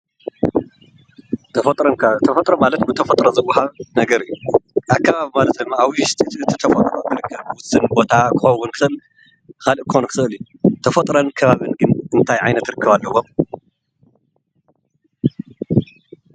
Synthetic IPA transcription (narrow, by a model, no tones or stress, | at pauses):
t̪ʰɐfɐt̪ʼɾokt̪ʰɐfɐt̪ʼɾomalɐt̪bɨt̪ʰɐfɐt̪ʼɾozɐwːʊħanɐɡɐɾɨjːuakʰːaβaβimalɐt̪̚d̪ɨmːaawʃt̪ʰit͡s̪ʼɨt̪ʰit̪ʰɐfɐt̪ʼɾok̪ɨɾɨkʰːɐβwʊsɨnbo̞t̪ʰakʰɨxɐwʊnkʰɨ̥xɨl | kʰalɨʔkʰxonkʰɨ̥xɨɨlju | t̪ʰɐfɐt̪ʼɾɐnkʰɐβaβɨnɡɨnɨnt̪ʰajʕajnɐt̪ɾɨkʰːɐβalːɐwom